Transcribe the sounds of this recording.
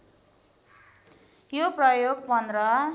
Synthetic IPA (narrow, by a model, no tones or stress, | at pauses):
joprʌjoɡ̚pʌnɾʌ